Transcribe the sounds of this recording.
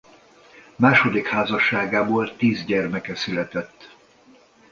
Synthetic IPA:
maːʃo̞d̪ikhaːzɒʃːaːɡaːboːlt̪iːzɟɛrmɛkɛsylɛt̪ɛt̪ː

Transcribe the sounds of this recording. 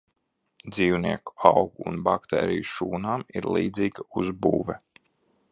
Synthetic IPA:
d̪ziːwniɛku̥awɡuːnbakt̪ɛ̰ːɾijuʃuːnaːmiɾlˠiːd̪ziːɡauzbṵːvɛ

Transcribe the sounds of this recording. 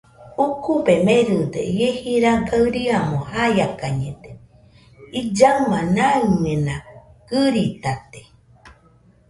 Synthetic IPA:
ukubemẽɾɨd̪ejehiɾaɡaɨɾiamõhajakaɲẽd̪e | id͡ʒamãnaɨmẽnaɡ̥ɨɾit̪at̪e

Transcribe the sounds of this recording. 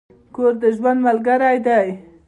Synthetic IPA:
koɾd̪əʒwand̪malɡaɾajd̪aj

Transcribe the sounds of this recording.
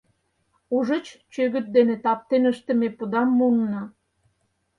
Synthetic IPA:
uʒə̆t͡ɕt͡ɕøɣə̆t̪̚d̪enet̪ɑp̚t̪enəʃt̪ə̆mepud̪ɑmːunnɑ

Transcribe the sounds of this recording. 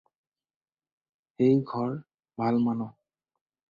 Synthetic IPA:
xejɡʱɔɹ | bʱalmanɔ

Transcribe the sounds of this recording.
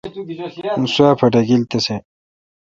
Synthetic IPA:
nswaːpʰɐʈɐɡilt̪ɐse

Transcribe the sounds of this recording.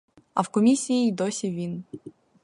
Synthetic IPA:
a̰fkɔmʲisʲiːd̪ɔsʲɪvʲin

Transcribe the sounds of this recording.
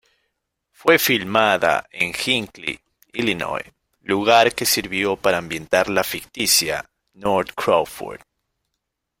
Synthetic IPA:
fwe̞filmaða̰eŋxiŋklḭ | ilino̰j | luɣaɾke̞siɾβjo̞paɾaːmbje̞nt̪aɾlafikt̪isja̰ | noɾt̪kɾawfṵɾd̪

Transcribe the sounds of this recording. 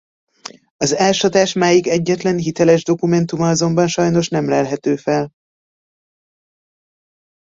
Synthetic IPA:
ɒzɛlʃɒt̪aːʃmaːjikɛɟːɛt̪lɛnɦit̪ɛlɛʒd̪o̞kumɛnt̪umɒɒzo̞mbɒnʃɒjno̞ʃnɛmlɛlɦɛt̪øːfɛl

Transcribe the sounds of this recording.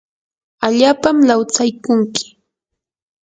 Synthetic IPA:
aʎaːpamlawt͡sajkʊŋkɪ̥

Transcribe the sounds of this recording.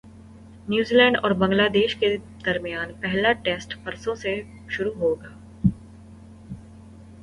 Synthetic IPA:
njuːziːlɛ̃ːɳɖɔːɾbɐ̃ŋɡlaːd̪eːʃke | d̪̥ɐɾmijaːnpɛɦlaʈeːsʈpɐɾsõse | ʃʊɾuɦoːɡaː

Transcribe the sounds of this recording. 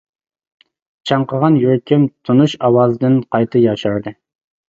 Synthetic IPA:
t͡ʃʰɑɴqəʁɑnjøɾkʲɪmt̪ʰunuʃɑwɑːzɨd̪ɨnqʰɑjt̪ʰɨjɑʃɑɾd̪ɨ

